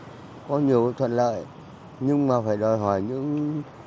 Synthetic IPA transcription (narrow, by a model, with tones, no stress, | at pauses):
kɔ˨˦ɲi˨˩əwkt̪ʰwə̰˧˨nlə̰ː˧˨j | ɲɨ˧ŋmaː˨˩faː˧˩jɗɔ˨˩jɦɔ˧˩jɲɨ̰˧˥ŋ